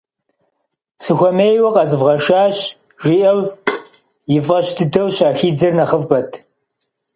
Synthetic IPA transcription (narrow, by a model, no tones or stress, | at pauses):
sɨxʷɔmeːjwɐqʼɐzɨvʁɐʃaːɕ | ʒ̥ʷiʔɐw | jɪvʁɐɕtʰɨdɐwɕaːxiːd͡zɐrnɐχəvpɐtʰ